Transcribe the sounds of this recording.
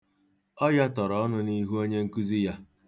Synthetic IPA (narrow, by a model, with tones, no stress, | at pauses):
ɔ˦ja˦tɔ˨ɾɔ˨ɔ˦nʊ˦ni˦ɦu˦o˦ɲe˦ŋ̩˦ku˦zi˦ja˦